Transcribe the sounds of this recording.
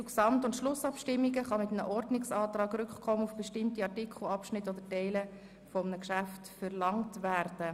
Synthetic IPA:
t͡suksɑmtʊntʃlʊsɑpʃtɪmːiɡəχɑmɪtənə̰ʔɔrdnɪksɑːtrɑːɡɾʏkχkʰɔmənufb̥ɛʃtɪmtiɑrtɪkʰχl̩ɑpʃnɪtːod̥̪ətɛɪlə | fɔmənəkʃæftfəɾlɑŋtvæɾd̥ə

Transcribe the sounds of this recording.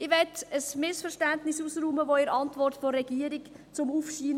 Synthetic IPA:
ɪʋɛtəsmɪsfəɾʃtæntnɪsusɾuːməʋoɪɾɑntʋɔrtfoːɛɡ̥iəɾik | t͡sʊmufʃiːn

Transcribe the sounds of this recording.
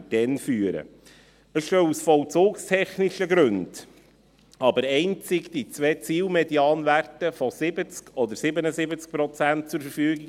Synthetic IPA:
d̥ɛnfyːəɾə̰ | əssœlusfɔlt͡suːkstʰɛχnɪʃəɡɾɵnd̥ | ɑbəɾɛɪnt͡sɪɡd̥it͡svɛt͡siːlmɛdiɑːnværtəfɔsɪbət͡skʰɔd̪əɾsɪbənəsɪbət͡sk̚pɾɔt͡sænt̚t͡suɾfəɾfyːɡɪɡ

